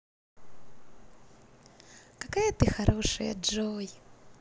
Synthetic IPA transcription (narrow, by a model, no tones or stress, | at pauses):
kɐkajət̪ɨxɐɾʔoʂɨjə̰ʐoj